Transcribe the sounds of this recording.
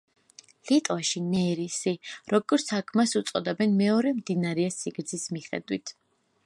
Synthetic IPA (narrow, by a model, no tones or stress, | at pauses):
lit̪ʼwaʃinɛɾisiɾɔɡɔɾt̪sʰakʰmasut̪sʼɔd̪ɛbɛnmɛɔɾɛmd̪inaɾɛasiɡɾd̪z̥ʰismiχɛ̰d̪wit̪ʰ